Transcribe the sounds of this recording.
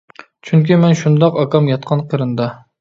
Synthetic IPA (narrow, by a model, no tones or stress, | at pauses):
t͡ʃʰyŋkʲimɛnʃund̪ɑqɑkɑmjɑt̪̚qʰɑnqʰəɾɨnd̪ɑ